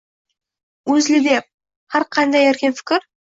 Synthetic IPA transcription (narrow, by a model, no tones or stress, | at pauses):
wɵzlɪd̪e̞p̚ | hɑɾqʰɑnd̪ɑjæɾkʲenfɪ̥kʲɪɾ